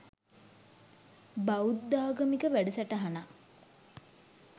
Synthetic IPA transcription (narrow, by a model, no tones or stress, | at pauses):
baud̪ːaːɡəmikəʋæɖəsæʈəɦana